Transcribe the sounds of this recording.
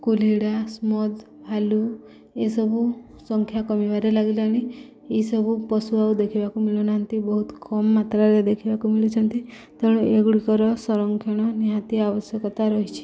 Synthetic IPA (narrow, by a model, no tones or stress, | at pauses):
kuliɽasmɔd̪ | bʱalu | esɔbʱu | sɔŋkʰjakɔmibaɾelaɡilaaɽ̃i | eisɔbʱupɔsuaud̪ekʰibakumilonaːnt̪ibɔɦut̪kɔmːat̪ɾaɾed̪ekʰibakumilit͡ʃʰɔnt̪i | t̪eɽ̃ueɡɽikɔɾɔsɔɾɔŋkʰjɔɽ̃ɔniɦãt̪iabɔsjɔkɔt̪aɾɔɦit͡ʃʰi̥